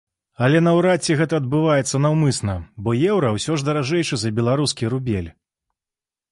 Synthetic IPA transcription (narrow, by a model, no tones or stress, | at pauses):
ɐlʲɛnɐwɾat͡sʲːiɣɛt̪ɐːd̪̚bɨvajɛt̪sːɐnɐwmɨsnɐbɔjɛwɾɐwsʲɔʐd̪ɐɾaʐɛjʂɨzɐbʲɛlˠaɾuskʲiɾubʲḛlʲ